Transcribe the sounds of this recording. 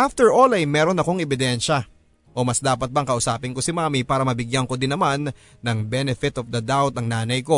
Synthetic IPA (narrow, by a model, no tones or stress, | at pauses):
ʔaft̪ɛɹʔo̞lɐjmɛːɾo̞nɐko̞ŋɛbɪd̪ɛnʃɐ | ʔo̞mɐsd̪aːpɐt̪̚bɐŋkɐʔʊsaːpɪnŋko̞sɪmaːmipaːɾɐmɐbɪɡjɐŋko̞d̪ɪnːɐmanː | ɐŋbɛnɛfɪt̪ofd̪ɐd̪awt̪ɐŋnaːnɐjko̞